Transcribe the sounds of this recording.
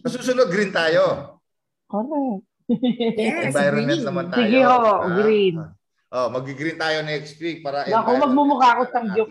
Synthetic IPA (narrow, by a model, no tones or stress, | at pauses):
mɐsuːsʊnod̪̚ɡɾint̪aːjo | koɾɛk̪̚t̪ | ɛb̪ajɾmt̪nɐmɐntsaɪɡɪhoɡɾin | ʔomɐɡiɡɾint̪aːjonɛkst̪ɾik̚paːɾɐʔɐkomɐɡ̚mʊmʊkaːkosɐŋɡʊ